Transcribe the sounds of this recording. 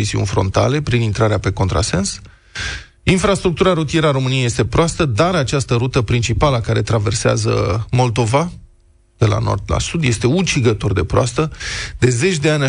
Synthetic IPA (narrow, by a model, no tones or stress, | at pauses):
iziṵnʲfɾo̞̰nt̪a̰le̞pɾinint̪ɾaɾeape̞ko̞nt̪ɾa̰se̞ns | infɾast̪ɾuk̚t̪uɾaɾut̪ieɾəaɾo̞mɨnijeje̞st̪e̞pɾoast̪əd̪aɾat͡ʃast̪əɾut̪əpɾint͡ʃipaləakaɾe̞t̪ɾave̞rsea̰zə̰mo̞ld̪o̞va | d̪̥e̞la̰no̞̰rd̪la̰sud̪je̞st̪e̞ut͡ʃiɡət̪o̞rd̪e̞pɾoast̪əd̪e̞ze̞t͡ʃʲd̪e̞anʲ